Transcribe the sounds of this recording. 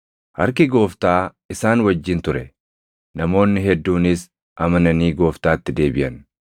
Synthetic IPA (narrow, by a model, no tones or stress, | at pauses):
ʔɐɾkɪɡo̞ːft̪aː | ɪsaːnwɐd͡ʒːɪnt̪ʊɾɛ | nɐmo̞ːnːɪɦɛd̪ːuːnɪs | ʔɐmɐnɐniːɡo̞ːft̪aːt̪ːɪd̪e̞ːbɪʔɐn